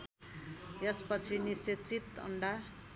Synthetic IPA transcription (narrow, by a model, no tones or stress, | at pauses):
jʌspʌt͡sʰiniset͡sit̪ʌ̰ɳɖa